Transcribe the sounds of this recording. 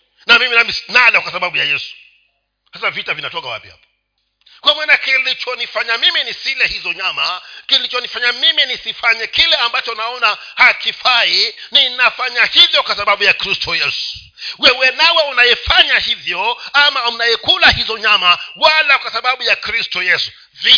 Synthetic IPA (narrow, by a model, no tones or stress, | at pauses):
namiminamisnalakwasaɓaɓujajɛsu̥ | sasavitavinatɔka̰wa̰pḭha̰pɔ̥ | kwamanakilit͡ʃɔnifaɲamiminisilɛhizɔɲamakilit͡ʃɔnifaɲamiminisifaɲakilɛambat͡ʃɔnaɔna | hakifaininafaɲahivjɔkwasaɓaɓujakɾistʰɔjɛsu̥ | wɛwɛnawɛunajɛfaɲahivjɔamaunajɛkulahizɔɲamawalakwasaɓaɓujakɾistɔjɛsu̥ | vi